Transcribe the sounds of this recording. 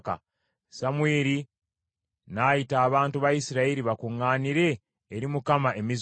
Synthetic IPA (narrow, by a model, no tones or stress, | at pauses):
ka̰ | samwe̞ːɾi | najitaːβaːntuβajisiɾaiɾiβakuŋːaːniɾe̞ː | ɾimukamae̞miz